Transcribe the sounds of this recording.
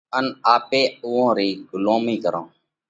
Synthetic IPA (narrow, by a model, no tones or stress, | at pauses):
ənaːpeːʊːõːɾiːɡʊloːmiːkəɾõː